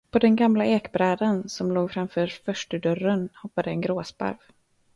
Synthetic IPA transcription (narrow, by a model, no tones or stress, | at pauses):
pʰɔd̪ɛnɡamlaeːkbɾɛːd̪ansɔmloːɡfɾamfœːɾfœʂʈəɖœrənhɔpːad̪əɛnɡɾoːspa̰ɾv